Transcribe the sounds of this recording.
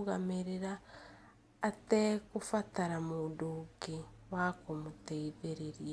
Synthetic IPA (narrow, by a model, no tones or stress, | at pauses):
ɣameɾeɾaː | tekufataɾamodukewakomuteiðeɾeɾja